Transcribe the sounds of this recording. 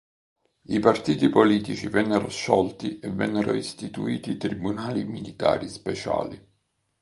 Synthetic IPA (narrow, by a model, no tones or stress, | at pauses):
ipart̪iːt̪ipoliːt̪it͡ʃivɛnːeɾoʃːɔlt̪iʔɛvɛ̰nːeɾoist̪it̪uiːt̪it̪ɾibunaːlimilit̪a̰ːɾispɛt͡ʃa̰ːli